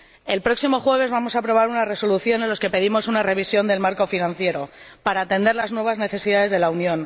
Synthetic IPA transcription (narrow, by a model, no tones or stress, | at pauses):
e̞lpɾo̞ksimo̞xwe̞β̞e̞zβamo̞saːpɾo̞β̞aɾunare̞so̞luθjo̞nenloske̞pe̞ðimo̞sunare̞β̞isjo̞nd̪e̞lmaɾko̞finãn̟θje̞ɾo̞paɾaːt̪e̞nd̪e̞ɾlaznwe̞β̞azne̞θe̞siðaðe̞zð̞e̞launjõ̞n